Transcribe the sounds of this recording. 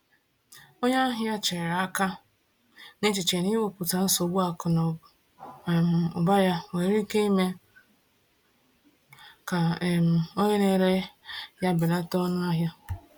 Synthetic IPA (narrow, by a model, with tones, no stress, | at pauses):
o˦ɲa˦ɦja˦t͡ʃe˨ɾɾa˦ka˦ | ne˦t͡ʃi˨t͡ʃe˨n˦i˦wo˨pʊ˨ta˨n̩˦so˨bu˦a˨kʊ˨nɔ˨ | m̩˨ʊ̰˨ba˦ja˦we˨ɾi˦ke˦i˦me˦ | ka˨m̩˨o˦ɲe˦ne˨ɾe˦ja˦bɪ˨la˦tɔ˦n˦a˦ɦja˦